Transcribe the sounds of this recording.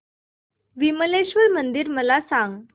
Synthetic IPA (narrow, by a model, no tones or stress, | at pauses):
ʋiməleɕʋəlmənd̪iɾməlasãŋɡ